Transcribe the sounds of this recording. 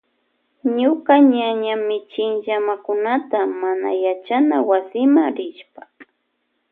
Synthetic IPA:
ɲʊkaɲaɲamɪt͡ʃɪŋʎamakʊnat̪amana̰jat͡ʃanawasɪmaŋɾɪʃpḁ

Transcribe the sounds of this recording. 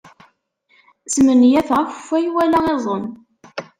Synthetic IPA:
smənjæθʁæfə̥fːæjwælæʁezˤən

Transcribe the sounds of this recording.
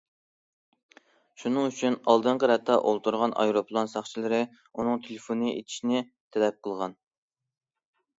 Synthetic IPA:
ʃunɨŋyt͡ʃʰynɑlˠd̪ɨɴqəɾɛt̪ʰːɑʔolˠt̪ʰuɾʁɑnʔɑ̰jɾopʰlˠonsɑχt͡ʃʰilˠɨɾɨ | unɨŋt̪ʰelefonɨḛt̪ʰi̥ʃinɪ | t̪ʰɛlɛp̚qʰəlˠʁɑn

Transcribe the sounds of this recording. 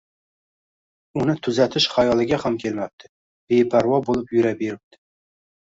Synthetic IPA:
unɪt̪ʰyzæt̪ʰɪʃχɑjɑlˠɨɡʲɛhæmkʲʰelmæp̚t̪ʰɪ | b̥ejpʰæɾwɑbolˠɨpjyɾɛbeɾɪp̚t̪ʰɪ̥

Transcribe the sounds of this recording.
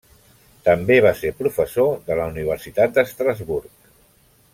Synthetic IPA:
t̪əmbeβ̞aseɾpɾufəsoðələuniβ̞əɾsit̪at̪̚d̪əst̪ɾazβuɾk

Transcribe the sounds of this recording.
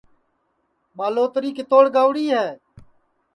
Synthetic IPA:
maːloːt̪ɾiːkɪt̪oːɽɡaːʋɽiːɦɛː

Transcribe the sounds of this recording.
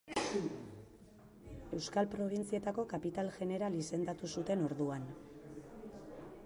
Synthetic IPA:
e̞wskalpɾo̞β̞int͡sie̞t̪ako̞kapit̪alʝe̞ne̞ɾalise̞nd̪at̪usut̪e̞no̞ɾðuan

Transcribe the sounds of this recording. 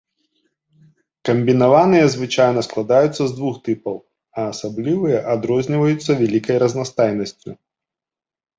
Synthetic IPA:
kɐmʲbʲin̪avanɨjɐzvɨt͡ʂajn̪ɐsklˠad̪ajut̪sːɐzd̪vuxt̪ɨpɐw | ɐːsablʲivɨjɐʔad̪ɾɔzʲnʲivɐjut̪sːɐvʲɛlʲikɐjɾɐznast̪ajnɐsʲt͡sʲṵ

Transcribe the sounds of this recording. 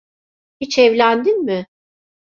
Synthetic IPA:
hit͡ʃʰɛvlʲænd̪inmɪ

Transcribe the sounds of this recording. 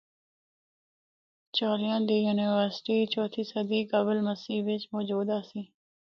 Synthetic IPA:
t͡ʃoːlijãːnd̪iːjuːnɪʋəɾsʈiːt͡ʃoːt̪ʰiːsəd̪iːkəbəlməsiːʋɪt͡ʃmɔːd͡ʒuːd̪aːsĩː

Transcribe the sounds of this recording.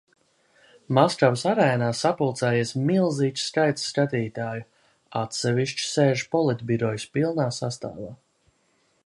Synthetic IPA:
maskɾawsaɾɛːnaːsapulˠt̪sɛːjiɛsmilˠziːt͡ʃ̪skajt̪ssːkat̪iːt̪aːju | at̪sɛviʃt͡ʃi̥seːʒpɔlˠit̪biɾɔjspilˠnaːsast̪a̰ːvaː

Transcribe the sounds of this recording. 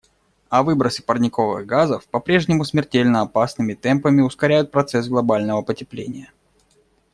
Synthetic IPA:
ɐvɨbɾəsʲɨ̥pərnʲɪkovɨ̰ɣɡazəfpɐpɾʲeʐnʲɪmʊsmʲɪrtʲelʲnəɐpasnɨmʲɪt̪ɛmpəmʲɪʊskɐɾʲæjʊt̪̚pɾɐt̪sɛsɡlˠɐbalʲnəvəpətʲɪplʲḛnʲɪjə

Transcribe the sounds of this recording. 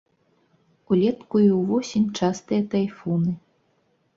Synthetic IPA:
ulʲɛt̪kuiwvɔsʲinʲt͡ʂast̪ɨjɐt̪ajfɔnɨ

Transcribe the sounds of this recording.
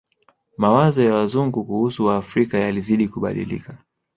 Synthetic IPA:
mawazɔjawazuŋɡukuhusuwaːfɾikajaliziɗikuɓa̰ɗḭlḭka

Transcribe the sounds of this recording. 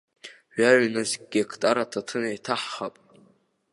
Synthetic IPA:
ɥaʕnazkʲʼɡʲekʰtʼaɾatʰatʰɨnajtʰaħχapʼ

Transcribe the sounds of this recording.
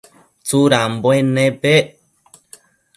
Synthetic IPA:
t͡suɾamboenẽpe

